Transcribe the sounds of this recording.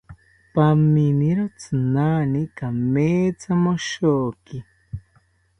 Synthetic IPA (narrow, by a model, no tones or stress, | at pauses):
paminiɾot͡sɨnaːnikameːt͡samoʃoːki